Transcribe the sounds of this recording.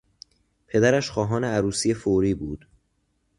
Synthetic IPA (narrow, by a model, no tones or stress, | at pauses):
pʰe̞d̪æɾæʃxɒːɦɒːneæɾuːsiːefoːɾiːbuːd̪̥